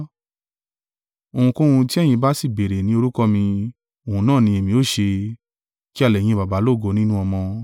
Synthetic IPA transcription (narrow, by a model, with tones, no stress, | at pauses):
o˨hũ˧kõ˦hũ˧ti˦ɛ˦˨j̃ĩ˧ba˦si˦˨be˨ɾe˨nĩ˦o˧ɾu˦kɔ˦mĩ˧ | o˨hũ˧nãː˦˨nĩ˧˦e˨mĩ˧˦o˦˨ʃe˧ | ki˦a˦˧lɛ˨j̃ĩ˧ba˨ba˨˦lo˦˨ɡo˧nĩ˦nũ˦ɔ˧mɔ̃˧